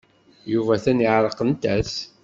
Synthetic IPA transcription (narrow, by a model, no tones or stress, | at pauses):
juvæθæniʕɾˤəqənt̪æs